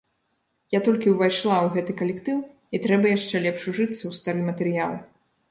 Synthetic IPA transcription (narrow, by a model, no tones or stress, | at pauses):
jat̪ɔlʲkʲiwvajʂlˠawɣɛt̪ɨkɐlʲɛkt̪ɨw | it̪ɾɛbɐjaʂt͡ʂɛlʲɛpʂuʐɨt̪sːɐwst̪aɾɨmɐt̪ɛɾɨja̰lˠ